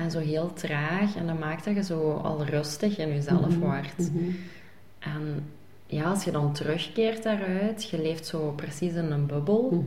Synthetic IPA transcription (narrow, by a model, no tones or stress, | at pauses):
ʔɛnzoːɦeːlˠtraːxɛndɑmaːk̚təɣəzoːɑ̰lˠrɵstəxɪnyzɛləfʋɑrt | ʔɛn | jaːɑlˠsxədɑntərɵxkeːrtdaːrœɥtxəleːftsoːprəsisɪnənbɵbəlˠ